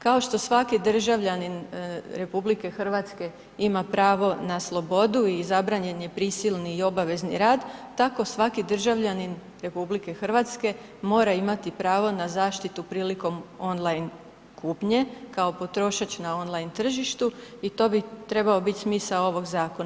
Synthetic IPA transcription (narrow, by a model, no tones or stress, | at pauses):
kao̞ʃt̪o̞sʋakid̪r̩ʒaʋʎaninɾe̞publike̞xr̩ʋat̪ske̞ | imapɾaːʋo̞naslˠo̞bo̞d̪uizabɾaːɲe̞ɲepɾisilˠniːo̞baʋe̞znḭɾaːd̪t̪ako̞sʋakid̪r̩ʒaʋʎanin | ɾe̞publike̞xr̩ʋat̪ske̞ | mo̞ːɾaimat̪ipɾaːʋo̞nazaːʃt̪it̪upɾiːliko̞mo̞nlˠajn | kʰupɲe̞kao̞po̞t̪ɾo̞ːʃat͡ɕnao̞nlˠajnt̪r̩ʒiʃt̪uit̪o̞ːbit̪ɾe̞baobit̪ʲsmiːsao̞ʋo̞ɡzaːko̞naa